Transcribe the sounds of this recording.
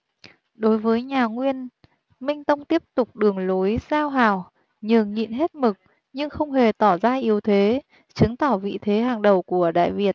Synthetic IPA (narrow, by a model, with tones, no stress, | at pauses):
ɗo˨˦jvəː˨˦jɲaː˨˩ŋwi˧ən | mï˧ŋ̟t̪ə˧wŋ͡mt̪i˦˥əp̚t̪ʊ˨˩k͡p̚ɗɨ˨˩əŋlo˨˦jzaː˧wɦaː˧˩w | ɲɨ˨˩ŋŋḭ˧˨nɦe˦˥t̚mɨ˨˩k̚ | ɲɨ˧ŋxə˧wŋ͡mɦe˨˩t̪ɔ˧˩zaː˧ʔi˨˦əwt̪ʰe˨˦ | t͡ɕɨ˨˦ŋt̪ɔ˧˩vḭ˧˨t̪ʰe˨˦ɦaː˨˩ŋɗə˨˩wku˧˩əɗa̰ː˧˨jvi˨˩ət̚